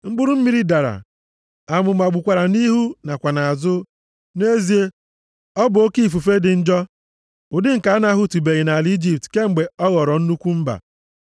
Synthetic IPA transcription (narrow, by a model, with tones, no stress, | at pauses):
ŋ͡m̩˦ɡ͡bʊ˦ɾʊ˦m̩˦mi˦ɾi˦da˨ɾa̰˨ | a˨mʊ˨ma˨ɡ͡bu˨kʷa˨ɾa˨ni˦ɦu˦na˨kʷa˨na˨a˨zʊ˦ | ne˦zi˨e˦ | ɔ˦bʊ˨o˦ki˦˨fu˨fe˦dɪ˨n̩˦d͡ʒɔ˦ | ʊ˨dɪ˦ŋ̩˨ka˨˦na˦ɦʊ˦tu˨be˨ɣi˨na˨li˦d͡ʒi˨p̚tke˦ŋ͡m̩˨ɡ͡be˨ɔ˦ɣɔ˨ɾɔ˨n̩˦nu˦kʷu˦m̩˦ba̰˨